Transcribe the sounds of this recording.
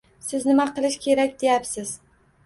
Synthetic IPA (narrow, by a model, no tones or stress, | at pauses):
sɪznɪmaqɨlˠɪʃkʲʰe̞ɾakʲd̪e̞japsɪz̥